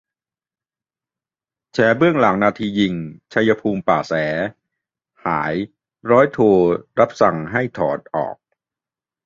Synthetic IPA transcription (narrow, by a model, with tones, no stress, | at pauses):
t͡ɕʰɛː˩˦bɯ˥˩əŋla˩˦ŋnaː˧t̪ʰiː˧ji˧ŋt͡ɕʰa˧jːa˧pʰuː˧mpaː˨˩sɛː˩˦ | ha̰ː˩˦j | ɾɔː˦˥jt̪ʰoː˧ɾa˦˥p̚sa˨˩ŋɦa˥˩jt̪ʰɔː˩˦t̪̚ʔɔ̰ː˨˩k̚